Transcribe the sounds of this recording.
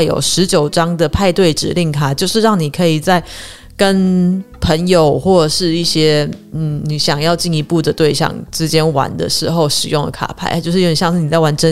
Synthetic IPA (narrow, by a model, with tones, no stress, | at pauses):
jo̰˨˩ʊʂɻ̩˧˥t͡ɕjo˨˩ʊʈ͡ʂɑ˥ŋd̪ə˨pʰa˥˧ɪt̪we˥˩ɪʈ͡ʂɻ̩̰˨˩li˥˩ŋkʰa˥t͡ɕjo˥˧ʊʂɻ̩˥˧ɻɑ˥˩ŋni˨˩kʰɤ˧˥i˨˩t͡sa˥˩ɪ | kə˦˥npʰə˧˥ŋjo˨˩ʊxwɔ˥˧˩ʂɻ̩˥˧i˥˩ɕjɛ˥n̩˥˩ni˨˩ɕjɑ˨˩ŋjɑ˥˧ʊt͡ɕi˥˩ni˧˥pu˥˩d̪ə˩t̪we˥˧ɪɕjɑ̰˥˧˩ŋʈ͡ʂɻ̩˥t͡ɕjɛ˥nwa̰˧˥nd̪ə̰˨ʂɻ̩˧˥xo˥˧ʊʂɻ̩˨˩jʊ˥˩ŋd̪ə̰˩kʰa̰˨˩pʰa˥˩ɪ˥t͡ɕjo˥˧ʊʂɻ̩˥˧˥jɑ˥˧ŋʂɻ̩˥˩ni˨˩t͡sa˥˩ɪwa˧˥nʈ͡ʂə˥